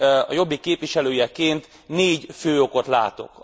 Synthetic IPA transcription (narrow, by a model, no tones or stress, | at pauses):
ɒ̰jo̞bːikeːpʋiʃɛløːjɛkeːnt̪ | neːɟføːo̞ko̞t̪la̰ːt̪o̞̰k